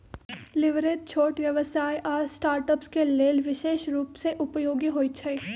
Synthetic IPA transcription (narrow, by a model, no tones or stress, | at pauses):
lɪʋɾed̚t͡ʃʰoːʈʋjɐʋsaːjʔɔːɾsʈaːɾʈəpskeleːlʋɪʃeːʃɾuːpseʔʊpjoːɡiɦoːit͡ʃʰɐi